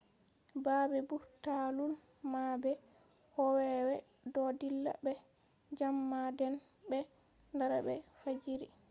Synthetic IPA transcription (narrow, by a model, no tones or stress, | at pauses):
babɛbutalul | mabɛ | hɔwɛwɛ | dɔdilːa̰bɛ | d͡ʒamːadɛn | bɛ | ndaɾabɛ̰fad͡ʒiɾi